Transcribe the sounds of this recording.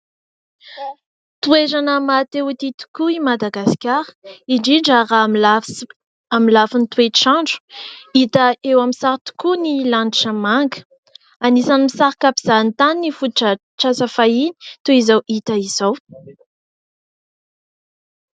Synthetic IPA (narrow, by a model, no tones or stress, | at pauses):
t̪ueɾanəmat̪ewit̪it̪u̥kuimad̪aɡaskʲaɾə̥iɳɖ͡ʐiɳɖ͡ʐaramla | amilafunit̪ueʈ͡ʂãɳɖ͡ʐu̥it̪əewamisaɾit̪u̥kunilaniʈ͡ʂəmaŋɡə̥ | anisanimisaɾkapiz̥ant̪annifuʈ͡ʂə | ʈ͡ʂasafaini̥t̪uizawʔit̪əiz̥aw